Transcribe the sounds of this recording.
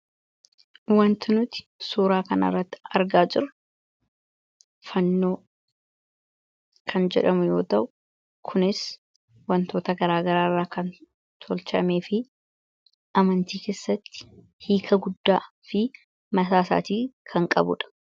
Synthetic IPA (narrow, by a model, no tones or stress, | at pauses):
wɐnt̪ʊnʊt̪ɪ̥suːɾaːkɐnɐ̰rːɐt̪ːɪ̥ɐɾɡaːd͡ʒɪɾʊ | fɐnːo̞ː | kʰɐnd͡ʒɛ̰ᶑɐmʊjo̞ːt̪ɐʔʊ | kʰʊnɪs | wɐnt̪o̞ːt̪ɐɡɐɾaːɡɐɾaːrːaːkɐn | t̪ʰɔlt͡ʃɐme̞ːfɪ | ʔɐmɐnt̪iːke̞ːsːɐt̪ːɪ̥ | hiːkʰɐɡʊd̪ːaː | fɪ | mɐsaːsa̰ːt̪iːkʰɐŋkʼɐ̰bʊ̰ᶑɐ̥